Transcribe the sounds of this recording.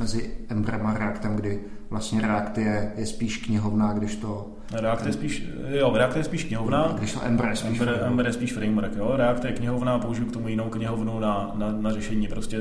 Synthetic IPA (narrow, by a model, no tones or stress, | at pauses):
mɛzɪʔɛmbɾɛmaɾɛakt̪ɛmɡdɪ | vlast̪ɲɛɾɛakt̪ɪjɛjɛspiːʃkɲɪɦo̞vnaːɡdɪʃt̪o̞ | ɾɛakt̪ɪjɛspiːʃ | joɾɛak̚t̪ɪjɛspiːʃkɲɪɦovnaːɡdɪʃt̪oʔɛ̰mbɾjɛsɛimːbɾʔɛmbɾjɛspiːʃfɾɛjmɾkjoːɾɛakt̪ɪjɛkɲɪɦovnaːpouʒɪjukt̪omujɪnowkɲɪɦovnunananarɛʃɛɲiːpɾoscɛ